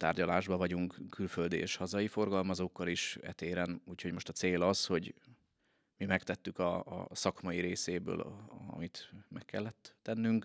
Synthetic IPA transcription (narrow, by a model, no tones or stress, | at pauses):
t̪aːrɟɒlaːʒbɒvɒɟuŋkkʰːylføld̪iḛːʃhɒzɒjifo̞rɡɒlmɒzoːkːɒliʃɛ̰t̪eːɾɛnuːchoɟmo̞ʃt̪ɒt̪seːlɒsho̞ɟ | mimɛkt̪ɛt̪ːykɒ̰sɒkmɒjiɾeːseːbø̰ːlɒ̰mit̪mɛkːɛlːɛt̪ːɛnːyŋk